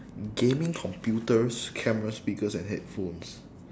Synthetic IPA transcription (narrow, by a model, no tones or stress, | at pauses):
ɡẽmĩŋkʰɔ̃mpjutəskʰɛməɹaspikəsɛ̃nɦɛt̚fõns